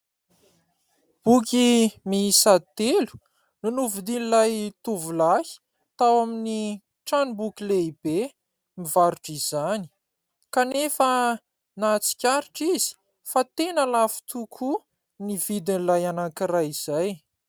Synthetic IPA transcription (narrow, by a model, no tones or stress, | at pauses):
b̥ukimiisat̪elu̥ | nunuvud̪inilajt̪uvulahi̥ | t̪awamini | ʈ͡ʂanubukileib̥e | mivaɾuʈ͡ʂizani̥ | kanefə | nat͡si̥kʲaɾiʈ͡ʂizi̥ | fat̪enəlafi̥t̪ʰukʰu | nivid̪inlajanakirajiz̥aj